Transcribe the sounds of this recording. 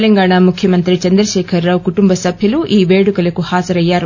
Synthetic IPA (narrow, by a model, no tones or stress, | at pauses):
lɐŋɡaːɳamukʰjɐmɐnt̪ɾit͡ʃɐnd̪ɾɐʃɛːkʰɐɾːaːwkuʈumbɐsɐbʱjɐluʔiːʋe̞ːɽukɐlɐkuhaːzɐɾɐjːaːɾ